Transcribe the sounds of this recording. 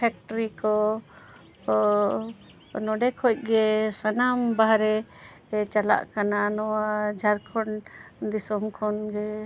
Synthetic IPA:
pʰɛk̚ʈɔɾikɔ | nɔɖɛkʰɔc̚ˀɡɛsanambaɦɾɛ | t͡ʃala̰ʔkananɔwad͡ʒʱaɾkʰɔɳd̪isɔmkʰɔnɡɛ

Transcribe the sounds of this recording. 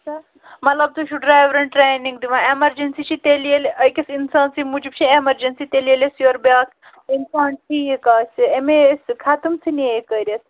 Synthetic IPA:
sɐ | mɐt̪lɐb̚t̪ut͡ʃʰuɖɾaːjʋɾɐɳʈɾejnĩŋɡd̪iʋãemɐɾd͡ʒɐnsit͡ʃʰit̪elielʔɐjkʲɐsinsaːnsimud͡ʒib̚t͡ʃʰiemɐɾd͡ʒɐnsit̪elielesjoːɾbjaːk | insaːɳʈʈijikaːsʲiemesʲkʰat̪umsiniekɐɾʲɐs

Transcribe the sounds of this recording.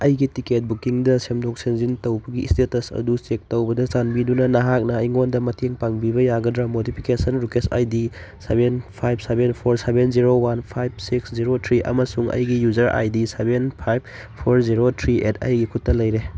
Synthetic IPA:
ɐjɡitiket̚bukiŋdɐsemdok̚seŋzintɐwbɐɡiːstetɐsɐ̰dusek̚tɐwbɐdɐzanbidunɐnɐɦak̚nɐːjŋondɐmɐtʰeŋpaŋbibɐjaɡɐdɾɐmodipʰi̥kesɐnɾukesa̰jdi | sebenpʰajb̚sebenpʰoɾsebenziɾowanpʰajb̚siksziɾotʰɾiʔɐ̰mɐsuŋɐ̰jɡijuzɐɾa̰jdisebenpʰajb̚ | pʰoɾziɾotʰɾiḛtʰɐ̰jɡikʰutːɐlɐjɾe

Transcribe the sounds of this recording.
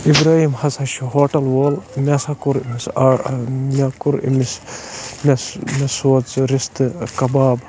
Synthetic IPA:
ibɾaːhimhɐsɐʃuɦoːʈɐlwoːlmʲesɐkuɾimisamʲakuɾḭmismʲesmesoːt͡sɾist̪ɨkɐbaːb

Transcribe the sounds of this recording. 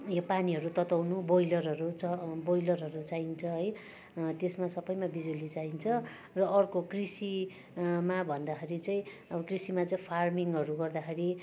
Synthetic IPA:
jopaniɦʌɾut̪ʌt̪awnubojlʌrɦʌɾut͡sʰʌbojlʌrɦʌɾut͡saint͡sʰʌɦʌj | t̪esmasʌbʌjmabid͡zulit͡saint͡sʰʌ | rʌʔːrkokrisi | mabʱʌnd̪akʰeɾit͡sʌĩ | ʌbʌkrisimat͡saĩpʰarmiŋɡʌɾuɡʌrd̪axʰeɾi

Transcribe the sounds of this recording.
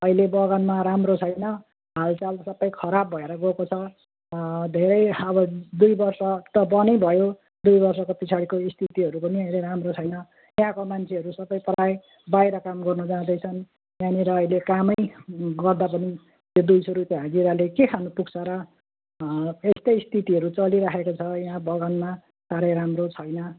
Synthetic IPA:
ʌilebʌɡʌnmaɾamrot͡sʰʌjnʌ | ɦalt͡salsʌbʌjkʰʌɾabːʱʌeɾʌɡokot͡sʰʌ | d̪ʱeɾʌjʌbʌd̪ujbʌrsʌt̪ʌbʌnʌjbʱʌjo | d̪ujbʌrsʌkopit͡sʰaɽikoist̪ʰit̪iɦʌɾupʌniʌileɾamrot͡sʰʌjnʌ | jɦãkomant͡sʰeɦʌɾusʌbʌjpʌɾaj | bajɾʌkamɡʌrnud͡zãd̪ʌjt͡sʰʌn | jãniɾʌːjlekamʌjɡʌrd̪apʌni | t̪jod̪ujsuɾut̪eɦad͡ziɾalekekʰanupukt͡sʰʌɾʌ | est̪ejst̪ʰit̪iɦʌɾut͡sʌliɾakʰekot͡sʰʌjɦãbʱʌɡʌnma | saɾʌjɾamrot͡sʰʌjnʌ

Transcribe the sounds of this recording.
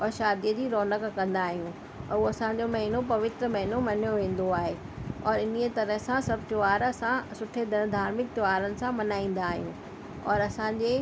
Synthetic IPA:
ɔːɾʃaːd̪ijəd͡ʑiːɾɔːnəkkɐ̃nd̪aːɦijũ | oɐsãɲd͡ʑomɐɦɪnopɐʋɪt̪ɾəmɐɦɪnomɐɦnjoʋẽːn̆d̪oaːɦe | ɔːɾɪniət̪ɐɾəɦsãsɐb̚ʱt̪ʊʋaːɾɐsãsʊʈʰed̪ʱɐnd̪ʱaːɾmɪk̚t̪ɪʋaːɾənɪ̆sãmɐnaːĩːn̆d̪aːɦijũ | ɔːɾɐsãɲd͡ʑeː

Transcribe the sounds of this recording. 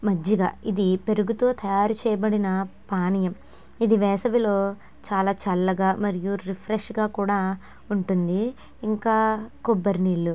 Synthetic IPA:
mɐd͡ʒːɐɡa̰ːid̪ipe̞ɾuɡut̪o̞ːt̪ɐjaːɾut͡ʃɛːjɐbɐɽinɐpaːnijɐm | id̪iʋɛːsɐʋilo̞ː | t͡ʃaːlaːt͡ʃɐlːɐɡaːmɐɾijuɾipʰɾeʂɡaːkuːɽaː | uɳʈund̪iː | ŋkaːkɔbːɐɾniːɭːu

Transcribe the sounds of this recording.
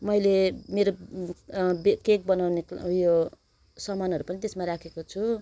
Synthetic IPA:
mʌjlemeɾo | bkek̚bʌnawnekjo | sʌmanʌɾupʌnit̪esmaɾakʰekot͡sʰu

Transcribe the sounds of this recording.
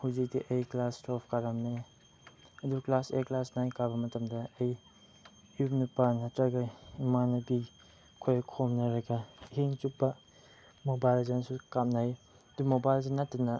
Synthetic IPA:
hɐwzik̚diʔɐjklastopʰkaɾamne | ɐduklaseklasnajnkabɐmɐtɐmdɐːj | iupnɐpanɐtɾɐɡɐimanɐbi | kʰojkʰomnɐɾɐɡɐɦiŋt͡ʃupːɐ | mobajlzansukamnaj | ɐdumobajlzanːatːɐnɐ

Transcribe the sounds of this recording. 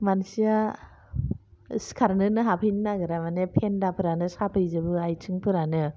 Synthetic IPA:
mansia | skʰaɾnɯnɯɦapʰɯjnɯnaɡɯɾamanepʰendapʰɯɾanɯsapʰɯjzɯbɯajtʰɯŋpʰɯɾanɯ

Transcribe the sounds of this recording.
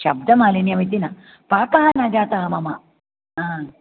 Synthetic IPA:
ɕɐb̚d̪ʱɐmaːlinjɐmit̪̬inɐ | paːkɐɦɐnad͡ʒaːt̪ɐɦɐmɐmɐ | ɦaː

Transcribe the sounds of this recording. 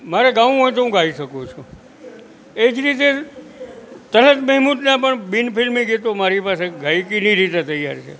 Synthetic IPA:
maɾeɡaʋɦojt̪̬oɦũɡʱaiʃəkot͡ʃʰu | ed͡ʒɾit̪e | t̪ələt̪məɦmut̪napəɳbinpʰɪlmĩɡet̪omaɾipaseɡʱaikiniɾit̪et̪əjːaɾt͡ʃʰḛ

